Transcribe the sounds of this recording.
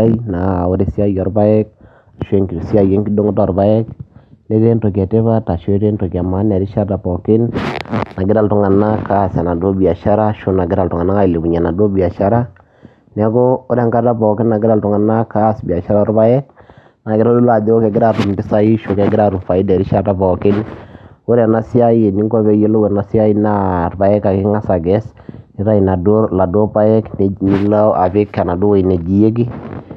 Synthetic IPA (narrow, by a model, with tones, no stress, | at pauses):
a˦ina˨ʊ˦ɾe˦si˦a˦jɔ˨ɾba˦ɛ˦k̚ | a˨ʃwe˦ŋɡsi˦a˦je˦ŋɡɪ˦do˦ŋɔ˦ta˦˨ɾba˦ɛ˦kne˦ɾe˦nto˨kɛ˨te˦βa˦ta˨ʃo˦ɾe˦nto˨ka˨ma˦nɛ˨ɾɪ˦ʃa˦ta˨pɔ˨kɪ˦nna˨ɡɪ˦ɾa˨ltʊ˨ŋa˨na˦ka˦˨sɛ˨na˨do˦bi˨a˨ʃa˦ɾa˦ʃo˨na˨ɡɪ˦ɾa˨ltʊ˨ŋa˨na˦ka˦ɪ˨le˨bu˨ɲɛ˨na˨do˦bi˨a˨ʃa˦ɾa˦ | nɛ˨˦ko˦ʊ˦ɾɛ˦ŋka˦ta˦pɔ˨kɪ˦nːa˨ɡɪ˦ɾa˦ltʊ˨ŋa˨na˦ka˦˨sbi˨a˨ʃa˦ɾa˦ɔ˦ɾba˦ɛ˦k̚ | na˨ɡɪ˦ɾa˦lu˦la˨dɪ˦ɔ˦kɛ˨ɡɪ˦ɾa˦˨ɾu˨mbɪ˦sa˦i˦ʃo˨kɛ˨ɡɪ˦ɾa˨ɾu˨mfa˨i˦dɛ˨ɾɪ˦ʃa˦ta˦bɔ˨kɪ˦nʊ˦ɾɛ˨na˨si˦a˦i˦˨ni˦ŋɡɔ˦βɛ˨je˦lo˦wɛ˨na˨sja˦i˦na˦˨rba˨ɛ˦ka˨kɪ˦ŋa˦sa˨ɡɛ˦s | ɪ˦ɾa˦i˨na˨do˦la˨do˦pa˦jɛ˦knni˨la˦ʔa˨bɪ˦kːa˨na˨do˦wo˨i˨nɛ˨d͡ʒi˨je˦ɡ̬i˦